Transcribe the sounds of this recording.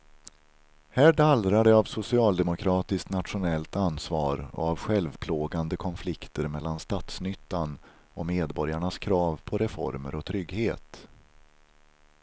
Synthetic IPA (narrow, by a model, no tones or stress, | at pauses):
hæːɖalɾad̪əavsʊsɪɑːld̪ɛmʊkʰɾɑːt̪ɪskt̪nat̪ɧʊnɛlt̪ansvɑːɾɔ̰avɧɛlvpʰloːɡand̪əkʰɔnflɪkt̪əɾmɛlːanst̪at̪snʏt̪ːan | ɔmeːd̪bɔɾjaɳaskʰɾɑːvpʰɔɾɛfɔ̰ɾmə̰ɾɔt̪ʰɾʏɡheːt̪